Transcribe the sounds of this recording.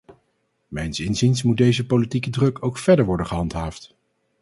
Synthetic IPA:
mɛjnsɪnzinsmud̚dejzəpolitikədrɵkowkfɛɹdəɹʋɔɹdənχəɦɑntɦaːft

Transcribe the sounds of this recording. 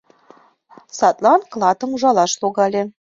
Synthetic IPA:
sɑt̪lˠɑnklˠɑt̪ə̆muʒɑlɑʃlˠoɣɑlʲĕ

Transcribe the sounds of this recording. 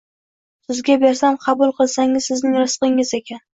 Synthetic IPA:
sɪzɡʲabeɾsamqʰɑbʊlˠqʰɨlˠsaŋɪzsɪznɪŋɾʊsqɪŋɪzekʲʰan

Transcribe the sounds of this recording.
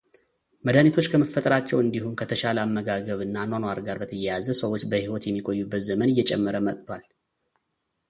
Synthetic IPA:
məd̪anit̪ʰo̞t͡ʃːkʰəməfːət̪ʼəɾat͡ʃːɛwɨnd̪ihumkʰət̪ʰəʃaləamːəɡaɡəβɨnːanonwaɾɡaɾbət̪ʰəjɛjazəsəwo̞t͡ʃːbəhiwɔt̪jɛmːikʼojːubːət̪zəmənɨjːɛt͡ʃʼɛ̰mːəɾəmət̪ʼt̪ʰwal

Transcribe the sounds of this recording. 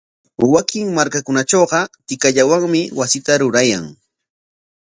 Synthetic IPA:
wakɪŋmaɾkakʊnat͡ʃoɢɑt̪ɪkaʎawaŋmɪwasɪt̪aɾʊɾajaŋ

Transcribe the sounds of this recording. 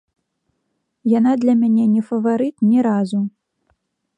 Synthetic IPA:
janad̪lʲɐmʲanʲɛnʲɛfɐvaɾɨt̪nʲɛɾazu

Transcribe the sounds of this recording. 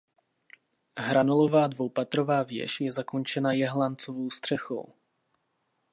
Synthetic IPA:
ɦɾanolo̞vaːdvowpat̪ɾo̞vaːvjɛ̰ʃjɛzako̞nt͡ʃɛnajɛɦlant͡sovowst̪r̥ɛxo̰w

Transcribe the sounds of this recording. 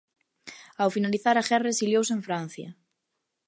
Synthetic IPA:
awfinaliθaɾaxɛresiljows̬eɱfɾan̟θjɐ̰

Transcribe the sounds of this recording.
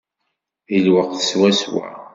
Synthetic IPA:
əlwəqθəswæswæ̰

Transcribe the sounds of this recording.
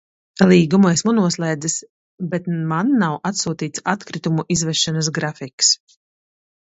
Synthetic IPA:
lˠiːɡumuesmunuɔslˠɛjd̪ɨs | bɛt̪manːawʔat̪suːt̪iːt̪sat̪kɾit̪umuʔizvɛʃanasɡɾafiks

